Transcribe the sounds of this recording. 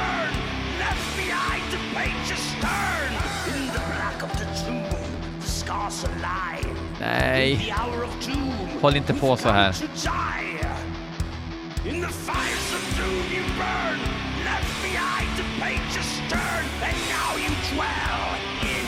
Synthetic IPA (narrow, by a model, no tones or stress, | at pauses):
n | lɛfmiaɪtɨpʰeɪt͡ʃɨstɜ̃˞n | ɪ̃nðəblækʌvðɨtʰɹu | ðəskɑɹsəlaɪ | nɛ̰ɪðiaʊə˞ʌv̥tʰuhɔːlɪnt̪əpʰosɔhæːɾɨdaɪ | ɨ̃nðɨfaɪə˞sʌvtʰumjɨɹɜ̃˞n | lɛfmiaɪtʰɨpʰeɪt͡ʃɨstʰɜ̃˞n | ɨ̃nːaʊjɨdwɛlˠ